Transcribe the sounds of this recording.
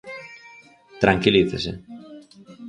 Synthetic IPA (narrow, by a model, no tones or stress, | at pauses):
t̪ɾɐŋkiliθesḛ